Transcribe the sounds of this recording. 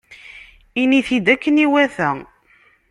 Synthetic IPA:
iniθid̪ækːəniwæθæ

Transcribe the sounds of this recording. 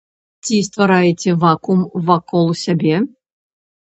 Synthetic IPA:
t͡sʲist̪vaɾajɛt͡sʲɛvakumvakɔlˠsʲabʲɛ

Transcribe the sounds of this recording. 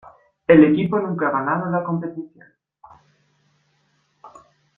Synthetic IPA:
elekiponũŋkaɣanaðolako̞mpet̪iθjo̰n

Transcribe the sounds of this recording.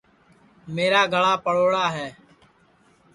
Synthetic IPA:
meːɾaːɡʱəɭaːpəɭoːɽaːɦɛː

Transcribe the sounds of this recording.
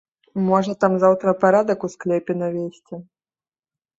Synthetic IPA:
mɔʐɐt̪amzawt̪ɾɐpaɾad̪ɐkusklʲɛpʲɛnavʲesʲt͡sʲi

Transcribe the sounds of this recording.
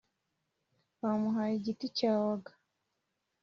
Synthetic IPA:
wamuɦaːjiɟiticaːwaɡḁ

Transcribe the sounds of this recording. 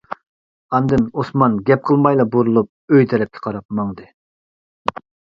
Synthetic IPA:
ɑnd̪ɨnosmɑnɡʲɛp̚qʰəlˠmɑjlˠɑboɾulˠup̚øjt̪ʰɛɾɛp̚kʲʰɛ̥qʰɑɾɑp̚mɑŋd̪ɨ

